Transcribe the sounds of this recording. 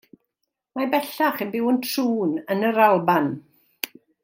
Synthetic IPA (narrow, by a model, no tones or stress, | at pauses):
mabɛɬaχənbɪwəntʰruːnənəɾalˠban